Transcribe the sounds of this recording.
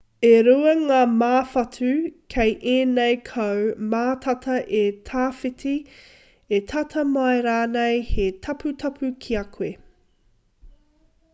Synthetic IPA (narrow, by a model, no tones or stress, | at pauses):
eɾuɐŋaːmaːfɐtʰʉkʰejʔeːnejkʰɐwmaːtʰɐtʰɐʔetʰaːfitʰi | etʰɐtʰɐmajɾaːnejhetʰɐpʰutʰɐpʰʉkʰiɐkʰwe